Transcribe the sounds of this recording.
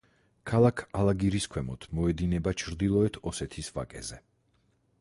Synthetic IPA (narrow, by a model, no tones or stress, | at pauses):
kʰalˠakʰalaɡiɾiskʰwɛmɔt̪ʰmɔɛd̪inɛbat͡ʃʰɾd̪ilˠɔɛt̪ʰɔsɛt̪ʰisva̰kʼɛ̰zɛ